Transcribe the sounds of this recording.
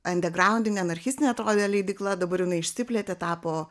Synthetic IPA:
ɐnʲd̪ʲɛɡɾɑʊnʲd̪ʲɪnʲeɐnɐɾʲxʲɪst̪ʲɪnʲɛɐt̪ɾoːd̪ʲelʲɛɪd̪ʲiklˠɐd̪ɐbɐɾjɪnɐɪɪʃʲsʲɪpʲlʲɛt̪ʲet̪ɑːpoː

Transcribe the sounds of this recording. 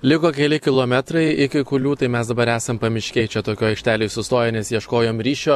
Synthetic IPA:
lʲɪkoːkʲɛlʲɪkʲɪlˠoːmʲɛt̪ɾɐɪɪkʲɪkʊlʲuːt̪ɐɪmʲɛsd̪ɐbɐɾæːsɐmpɐmʲɪʃʲkʲeːjt͡ʃʲɛt̪oːkʲoːjɐɪkʃʲt̪ʲæːlʲoːɪsʊst̪oːjɛnʲɛsjiɛʃkoːjoːmɾʲiːʃʲoː

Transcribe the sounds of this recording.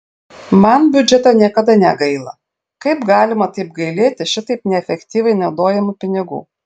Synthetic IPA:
mɐnbʲʊd͡ʒʲɛt̪onʲiɛkɐd̪ɐnʲɛɡɐɪlˠɐ̰ | kɐɪpɡɑːlʲɪmɐt̪ɐɪpɡɐɪlʲeːt̪ʲɪʃʲɪt̪ɐɪpnʲɛɛfʲɛkʲt̪ʲiːʋʲɛɪnɐʊd̪oːjɛmʊpʲɪnʲɪɡṵː

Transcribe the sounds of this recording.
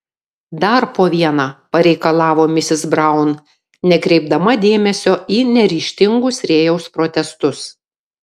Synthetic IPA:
d̪ɐɾpoːʋʲiɛnaːpɐɾʲɛɪkɐlˠɑːʋoːmʲɪsʲɪzbɾɐˑʊn | nʲɛkɾʲɛɪb̚d̪ɐmɐd̪ʲeːmʲɛsʲoːʔiːnʲɛɾʲiːʃʲt̪ʲɪŋɡʊsɾʲeːjɛʊspɾoːt̪ʲɛst̪ʊs

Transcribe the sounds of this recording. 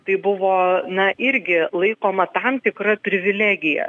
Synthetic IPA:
t̪ɐɪbʊʋoːnɐʔɪɾʲɡʲɪlˠɐɪkoːmɐt̪ɐmt̪ʲɪkrɐpʲɾʲɪʋʲɪlʲæːɡʲɪjɛ̰

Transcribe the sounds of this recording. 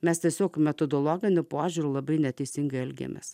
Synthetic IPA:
mʲɛst̪ʲiɛsʲoːkmʲɛt̪od̪ɔlˠɔɡʲɪnʲʊpoːʒʲuɾʲʊːlˠɐbɐɪnʲɛt̪ʲɛɪsʲɪŋɡɐɪɛlʲɡʲḛmʲḛːs

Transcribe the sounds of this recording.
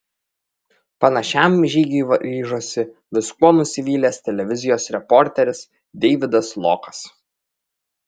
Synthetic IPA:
pɐnɐʃʲæˑmʒʲiːɡʲiʋɐɾʲiːʒoːsʲɪʋʲɪskuɔnʊsʲɪʋʲiːlʲeːst̪ʲɛlʲɛʋʲɪzʲɪjoːsɾʲɛpɔɾʲt̪ʲɛɾʲɪs | d̪ʲɛɪʋʲɪd̪ɐslˠɔ̰kɐ̥s

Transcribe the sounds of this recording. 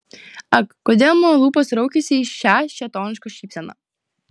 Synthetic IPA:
ɐkkːod̪ʲeːlˠmolˠuːpɐsɾɔʊkʲɛsʲɪiʃʲæːʃʲt͡ʃʲɛt̪ɔːnʲɪʃkɔʃʲiːpʲsʲɛnɐ̰

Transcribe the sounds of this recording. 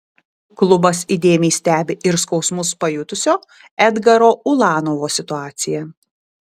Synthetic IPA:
klˠʊbɐsid̪ʲeːmʲɛɪsʲt̪ʲæːbʲɪʔɪɾskɒʊsmʊspɐjʊt̪ʊsʲoː | ɛd̪ɡɐɾoːʊlˠɑːnoʋoːsʲɪt̪ʊɑːt̪sʲɪjɛ

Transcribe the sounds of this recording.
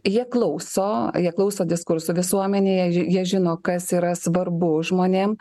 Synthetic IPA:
jiɛklˠɐʊsoːjiɛklˠɐʊsoːd̪ʲɪskʊɾsʊʋʲɪsuɔmʲɛnʲeːjɛjiɛʒʲɪnoːkɐsiːɾɐsʋɐɾbʊʒmoːnʲeːm

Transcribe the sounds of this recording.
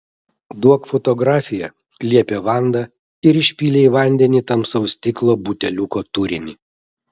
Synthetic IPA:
d̪uɔkfɔt̪ɔɡɾɑːfʲɪjɛ | lʲiɛpʲeːʋɑˑnd̪ɑ | ɪɾɪʃʲpʲiːlʲeiʋɐnʲd̪ʲɛnʲiːt̪ɐmsɐʊsʲt̪ʲɪklˠoːbut̪ʲɛlʲʊkoːt̪ʊɾʲɪnʲiː

